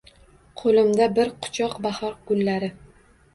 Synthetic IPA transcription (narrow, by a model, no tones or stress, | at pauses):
qʰolɪmd̪abɪɾqʰʊ̥t͡ʃʰɒqbahɒɾɡ̥ʊlːaɾɪ